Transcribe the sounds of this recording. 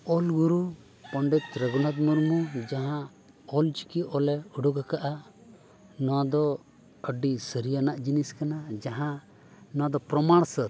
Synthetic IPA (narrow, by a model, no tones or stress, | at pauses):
ɔlɡuɾu | pɔɳɖɛt̪ɾəɡɔnat̪̚muɾmud͡ʒaɦã | ɔlt͡ʃi̥kiɔlɛuɖɔɡakaʔa | nɔwad̪ɔ | əɖisəɾijanaʔd͡ʒiniskanad͡ʒaɦã | nɔwad̪ɔpɾɔmaɽ̃sət̪̚